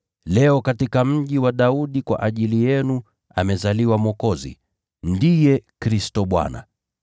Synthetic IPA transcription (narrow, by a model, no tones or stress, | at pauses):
lɛɔkatikam̩ʄiwaɗauɗikwa̰ʔaʄilijɛnu | a̰mɛzaliwamwɔkɔzḭ | ndijɛkɾistɔɓwa̰na̰